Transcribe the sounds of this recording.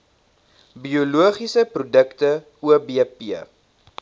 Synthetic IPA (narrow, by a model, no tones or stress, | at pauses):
biuluəχisəprudəktə | uəbiəpiə